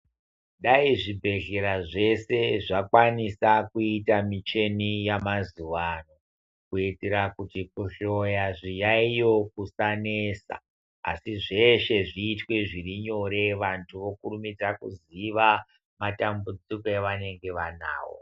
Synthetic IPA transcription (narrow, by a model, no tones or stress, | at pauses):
ɗaiʐibʱe̞ɮe̞ɾaʐe̞se̞ʐakwanisakuitamit͡ʃe̞nijamazuʋano̞ | kuitiɾakutikuɬo̞jaʐijaijo̞kusanesa̰ | a̰siʐe̞ʃe̞ʐiːtwe̞ʐiriɲo̞ɾe̞ʋantʰuʋo̞kurumid͡zakuziʋa | matambud͡zikoeʋane̞ŋɡe̞ʋana̰ːwo̞̰